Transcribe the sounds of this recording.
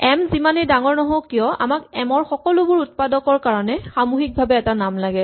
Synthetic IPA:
ɛmzimanidaŋɔɹnɔɦowkijɔa̰makɛmɔɹxɔkɔlʊbʊɹut̚padɔkɔɹkaɹɔnɛxamuxik̚bʱabɛːtanamlaɡɛ

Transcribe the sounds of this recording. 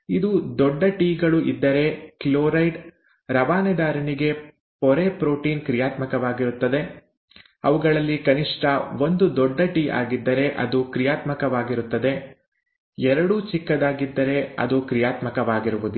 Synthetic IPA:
id̪ud̪ɔɖːɐʈiːɡɐɭuʔid̪ːɐɾe̞kiloːɾɐjɖ | ɾɐʋaːnɛd̪aːɾɐniɡe̞ | pɔɾepɾoːʈiːnkɾijaːt̪mɐkɐʋaːɡiɾut̪ːɐd̪e̞ | ɐʋuɡɐɭɐlːikɐniʂʈʰɐʋo̞nd̪ud̪ɔɖːɐʈiːʔa̰ːɡid̪ːɐɾe̞ʔɐ̰d̪ukɾijaːt̪mɐkɐʋaːɡiɾut̪ːɐd̪e̞ | ɛɾɐɽuːt͡ʃikːɐd̪aːɡid̪ːɐɾe̞ɐ̰d̪ukɾijaːt̪mɐkɐʋaːɡiɾuʋud̪u

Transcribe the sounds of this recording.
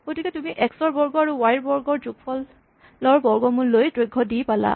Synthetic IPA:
ɡ̥otikɛtumiʔɛksɔɹbɔɹɡɔaɹuwajɹbɔɹɡɔɹzuk̚pʰɔlː | ɔɹbɔɹɡɔmunlojdɹojɡʱːɔdijpala̰

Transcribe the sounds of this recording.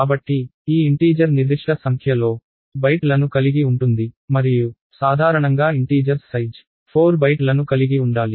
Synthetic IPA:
kaːbɐʈːiiːiɳʈiːd͡ʒɐɾniɾd̪iʂʈɐsɐŋkʰjɐlo̞ː | bɐjʈlɐnukɐliɡiuɳʈund̪imɐɾiju | saːd̪ʱaːɾɐɳɐŋɡaːiɳʈiːd͡ʒɐɾsɐjd͡ʒ | pʰoːɾbɐjʈlɐnukɐliɡiuɳɖaːli

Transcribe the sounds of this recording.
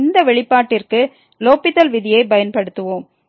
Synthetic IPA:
nd̪ɐʋɛɭɪpːaːʈːɪrkɯ | loːpːɪt̪ːɐlʋɪðɪjɐɪpɐjɐnpɐɽɯt̪ːɯʋoːm

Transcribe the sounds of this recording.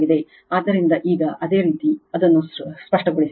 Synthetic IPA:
ɡid̪e̞ | aːd̪ːɐɾind̪ɐʔiːɡɐʔɐd̪e̞ːɾiːt̪iɐd̪ɐnːuspɐʂʈɐɡoɽis

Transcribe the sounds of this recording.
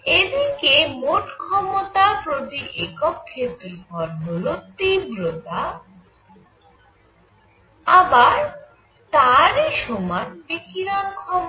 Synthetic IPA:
ed̪ikemoʈkʰɔmot̪apɾot̪iʔekɔp̚kʰːep̪eɾfɔɾɦolot̪ibɾot̪a | abaɾ | t̪aɾeʃɔmanb̪ekiɾankʰɔm

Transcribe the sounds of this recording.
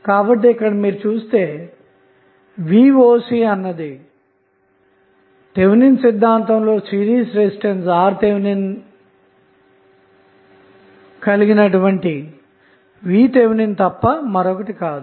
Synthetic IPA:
kaːbɐʈ̬ːiːkːɐɽɐmiːɾut͡ʃuːst̪e̞ː | ʋiːʋoːsiɐnːɐd̪i | ʈe̞ʋninsid̪ʱːaːnt̪ɐmlo̞ːsiːɾiːsɾesiʈensaːɾt̪eʋnin | kɐliɡinɐʈuʋɐɳʈi | ʋiːʈ̪eʋnint̪ɐpːɐmɐɾɔkɐʈikaːd̪u

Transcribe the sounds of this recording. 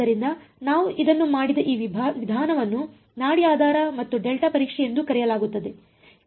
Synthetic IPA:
ɐɾind̪ɐnaːʋuʔid̪ɐnːumaːɽid̪ɐʔiːʋʋid̪ʱaːnɐʋɐnːu | naːɽiaːd̪ʱaːɾɐmɐt̪ːuɖelʈɐpɐɾiːkʂɛje̞nd̪ukɐɾɛjɐlaːɡut̪ːɐd̪e

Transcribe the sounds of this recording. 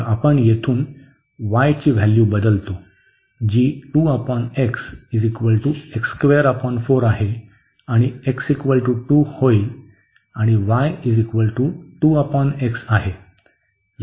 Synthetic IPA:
apəɳjet̪ʰuːn | ʋajt͡ɕiːʋ̤æljubəd̪əlt̪o | d͡ʑiːʈuəpɔneksid͡zikʋəlʈuekskʋeəɾapɔnfoɾaɦe | aɽ̃ieksikʋəlʈuʈuhoil | aɽ̃iʋajid͡zikʋəlʈuʈuːəpɔneksaɦe

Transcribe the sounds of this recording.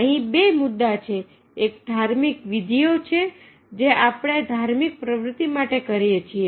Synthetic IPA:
əɦĩbemʊd̪ːat͡ʃʰeː | k̚d̪ʱaɾmikʋid̪ʱijot͡ʃʰe | d͡ʒeʔapɽ̃ed̪ʱaɾmik̚pɾəʋɾʊt̪ːimaʈekəɾjet͡ʃʰie

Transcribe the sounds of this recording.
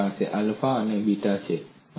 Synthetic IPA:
asʰeʔalfaənebiʈat͡ʃʰe | ə

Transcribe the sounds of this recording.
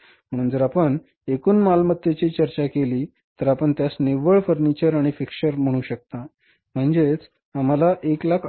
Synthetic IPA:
m̤əɽ̃uːnd͡zəɾapəɳ | ekuːnmalmət̪ːjet͡ɕiːt͡ɕəɾt͡ɕakeliː | t̪əɾapəɳt̪jasneʋəɭfəɾnit͡ɕəɾaɽ̃ifikɕəɾm̤əɽ̃uːɕək̚t̪a | m̤əɳd͡zet͡s | am̤alaʔeklakʰ

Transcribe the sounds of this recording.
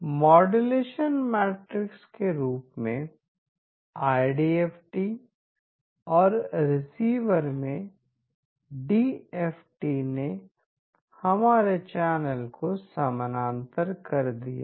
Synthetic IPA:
mɔːɖeleːʃənmɛːʈɾɪkskeɾuːpmẽ | aːɪɖieːfʈi | ɔːɾɾɪsiːʋəɾmẽ | ɖiːeːfʰʈine | hɐmaːɾet͡ʃɛːnəlkʰosɐmənãːnt̪əɾkɐɾd̪ija̰

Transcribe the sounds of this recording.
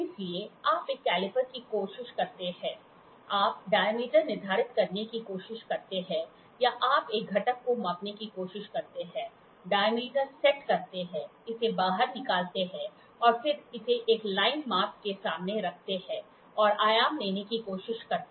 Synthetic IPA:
ɪslieaːpeːkːɛːlɪpəɾkikoːʃɪʃkɐɾt̪eɦɛ̃ː | aːp̚ɖaːjmiːʈəɾnɪɾd̪ʱaːɾɪt̪kɐɾnekikoːʃɪʃkɐɾt̪eɦɛ̃ | jaʔaːpeːk̚ɡʱɐʈəkːomaːpnekikoːʃɪʃkɐɾt̪eɦɛ̃ː | ɖaːjmiːʈəɾsɛʈkɐɾt̪eɦɛ̃ːɪsebaːɦəɾnɪkaːlt̪eɦɛ̃ | ɔːɾfɪɾɪseʔeːklaːɪnmaːp̚kesaːmneɾɐk̚ʰt̪eɦɛ̃ː | ɔːɾaːjaːmleːnekikoːʃɪʃkɐɾt̪ː

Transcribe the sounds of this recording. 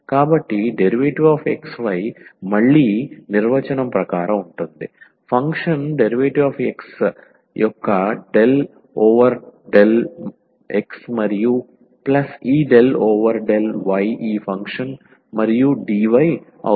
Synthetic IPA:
kaːbɐʈːiɖeɾiʋeːʈiʋaːfeksʋɐjmɐɭːiːniɾʋɐt͡ʃɐnɐmpɾɐkaːɾɐuɳʈund̪i | pʰɐŋkʂɐnɖeɾiʋeːʈiʋaːfeks | jʔɔkːɐɖe̞l | oːʋɐɾɖel | eksmɐɾiju | plɐsiːɖeloːʋɐɾɖelʋɐjiːpʰɐŋkʂɐn | mɐɾijuɖiːʋɐj | ɐ̰

